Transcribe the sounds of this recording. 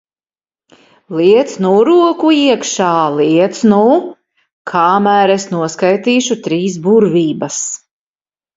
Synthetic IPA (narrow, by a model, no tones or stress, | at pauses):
liɛt̪snuɾuɔkuiɛkʃaːlˠiɛt̪snu | kʰaːmæːɾesnuɔskajt̪iːʃut̪ɾiːs̬buɾviːbɐs